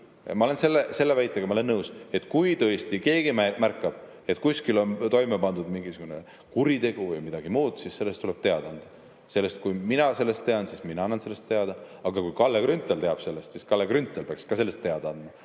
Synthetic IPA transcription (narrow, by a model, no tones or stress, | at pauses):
mɑo̞le̞nse̞lːese̞lːevæjt̪ˑːeɡ̥ɑmɑoenːɤwse̞t̪ːˑkujt̪ɤ̞est̪ike̞ːɡ̥imæmærkːˑɑb̥ | e̞t̪ˑkuskilo̞nt̪o̞jmepɑnd̪ud̪miŋɡisuɡ̥une | kuɾit̪e̞ɡ̥uvɯjmid̪̥ɑɡ̥imuːd̪̥sisːe̞lːe̞st̪ule̞b̥̚t̪e̞ɑd̪̥ɑɑnd̪̥ɑ | se̞lːe̞st̪̚kujminɑse̞lːe̞st̪ːe̞ɑnsisminɑɑnːɑnse̞lːe̞st̪ːe̞ɑd̪̥ɑɑɡ̥ɑkujkɑlːekɾynt̪ːˑelt̪e̞ɑb̥se̞lːest̪siskɑlːekrynt̪ːˑelpeɑkskɑse̞lːest̪ːe̞ɑd̪̥ɑɑnd̪mɑ